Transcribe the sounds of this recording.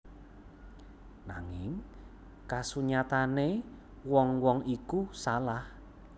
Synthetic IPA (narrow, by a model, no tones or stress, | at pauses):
na̰ŋɪŋ | kasuɲat̪ane | wɔŋwɔŋikusalah